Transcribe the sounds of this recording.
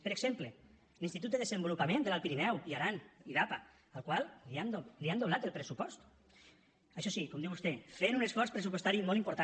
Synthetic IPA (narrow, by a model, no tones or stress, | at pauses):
pəɾeɡz̥emple | linst̪it̪ut̪eðezembulupamẽnd̪elalˠpiɾinɛwiaɾaniðapa | alˠkwalˠialiand̪oβlat̪elˠpɾesupɔst̪ | aʃɔsikɔmnd̪iwust̪efeɾunesfɔɾspɾesupwoest̪aɾimɔlˠimpuɾt̪a